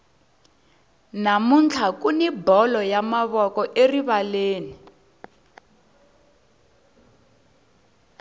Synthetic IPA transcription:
namunt͡ɬʰakunibɔlɔjamaβɔkɔʔeriβaleːni

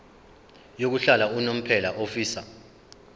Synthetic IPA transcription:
jok̬uɬalaunom̩pʰɛlaʔofiːsa

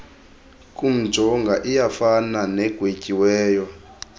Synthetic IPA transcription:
kʼum̩̥d͡ʒ̥ʱɔŋɡʱaʔijafananɛɡ̥ʱwecʼiwɛːjɔ

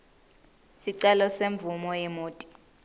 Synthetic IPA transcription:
siǀɛlɔseɱb̪vumɔjɛmoːtʼi̥

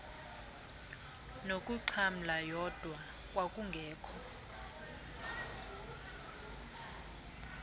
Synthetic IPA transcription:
nokʼuǃʰam̩lajɔd̥ʱwa | kʼwakʼuŋɡʱɛːkʰɔ

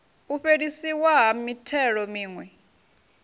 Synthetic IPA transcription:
uɸeɺisiwaɦamitʰɛɺɔmiːŋwɛ

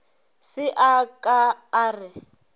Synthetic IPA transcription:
sɪʔakʼaːrɪ

